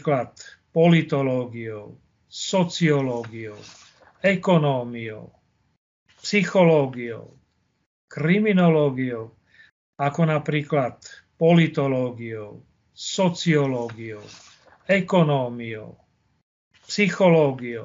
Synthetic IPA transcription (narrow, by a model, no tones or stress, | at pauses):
klat̪pɔlit̪ɔlɔːɡiɔʊ | sɔt͡siɔlɔːɡiɔ | ɛkɔnɔːmiɔ̰ʊ | psixɔlɔːɡiɔ̰ʊ | kɾiminɔlɔːɡiɔʊ | akɔnapɾiːklat̪pɔlit̪ɔlɔːɡiɔʊ | sɔt͡siɔlɔɡiɔʊ | ɛkɔnɔːmiɔ̰ʊ | psixɔlɔːɡiɔ